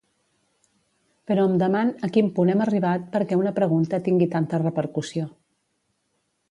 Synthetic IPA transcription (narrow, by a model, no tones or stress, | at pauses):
pəɾɔəmd̪əmanəkimpunɛməriβ̞at̪̚pəɾkɛunəpɾəɣunt̪ət̪iŋɡit̪ant̪ərəpəɾkusio